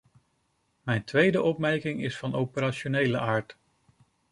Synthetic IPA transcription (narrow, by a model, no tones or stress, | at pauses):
mɛjntʋejdəʔɔp̚mɛɹkɪŋɪsfɑnowpəɾaːʃonejləʔaːɹt